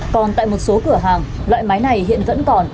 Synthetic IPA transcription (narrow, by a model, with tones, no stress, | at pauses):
kɔ˨˩nt̪a̰ː˧˨jmo˨˩t̚so˨˦kɨ˧˩əɦaː˨˩ŋ | lwa̰ː˧˨jma˨˦jna˨˩jhḭ˧˨ənvə̰˧˥nkɔ˨˩n